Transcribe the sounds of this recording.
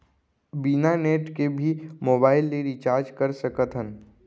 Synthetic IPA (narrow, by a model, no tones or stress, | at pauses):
binaneːʈkebʱimoːbaːɪlːeɾit͡ʃaːɾd͡ʒkəɾsəkət̪ʰɦən